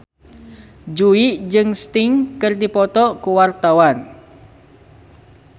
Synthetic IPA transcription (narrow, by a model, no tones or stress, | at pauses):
d͡ʒuiʔd͡ʒɨŋst̪ɪŋkɨrdipɔt̪ɔkuwart̪awan